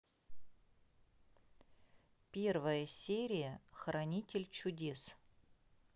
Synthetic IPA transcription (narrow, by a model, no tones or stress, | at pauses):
pʲe̞rvəjəsʲeɾʲɪjəxrɐnʲitʲɪlʲt͡ɕʊdʲe̞s